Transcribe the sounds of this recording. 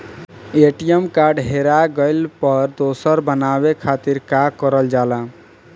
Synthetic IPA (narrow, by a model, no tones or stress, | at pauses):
eʈijemkaɾɖɦeɾaɡəɪlpəɾd̪osəɾbənaβekʰat̪iɾkakəɾəld͡ʒala